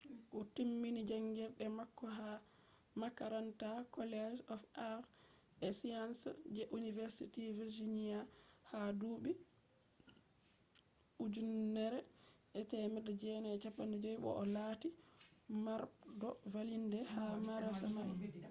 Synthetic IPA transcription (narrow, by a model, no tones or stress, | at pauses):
ʔɔtimːinid͡ʒaŋɡiɾɗɛmakːɔɦa | makaɾantakɔlɛd͡ʒɔfaɾ | ʔɛsiansd͡ʒɛʔunivɛɾsitiviɾd͡ʒinijahaduɓi | ʔud͡ʒunːɛɾɛʔɛtɛmɛɗɛd͡ʒɛnɛːt͡ʃapːandɛd͡ʒɔjɓɔ̰ʔɔlatimaɾdɔvalindɛhamaɾasamaj